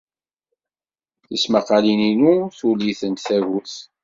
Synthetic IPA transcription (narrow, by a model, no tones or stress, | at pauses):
θə̰smɑqːɑlininuθuliθənt̪θævuθ